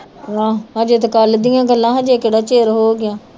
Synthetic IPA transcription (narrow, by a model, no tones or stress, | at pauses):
ɦãːɦãːd͡ʒet̪̬kald̪ijãːɡəlːãːɦãːd͡ʒeːkeɽaːt͡ʃeːɾɦoːɡɪjãː